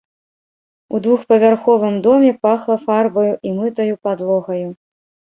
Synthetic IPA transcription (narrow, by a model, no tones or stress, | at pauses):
ud̪vuxpɐvʲarxɔvɨmd̪ɔmʲɛpaxlˠɐfarbɐjuʔimɨt̪ɐjupad̪lˠɔɣɐju